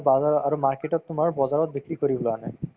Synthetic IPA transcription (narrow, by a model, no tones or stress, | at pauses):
baaaɹumaɹkeʈɔtːʊmaɹbɔzaɹɔt̚bikɹikoɹibɔlana